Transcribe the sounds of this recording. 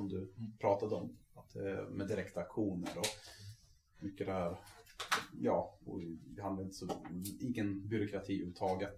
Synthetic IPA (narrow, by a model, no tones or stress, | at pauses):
sɔmd̪ɵpʰɾɑːt̪ad̪əɔmat̪̚d̪ɛ̰mɛd̪ɪɾɛkt̪aːkɧuːnə̰ɾɔ | mʏkːəd̪ɛhæːɾ | jɑːɔ̰vɪɦand̪aɾɪnt̪ə̥sɔiːɡənbʏɾʊkʰɾat̪ʰiːʔʉːt̪ʰːɑːɡət̪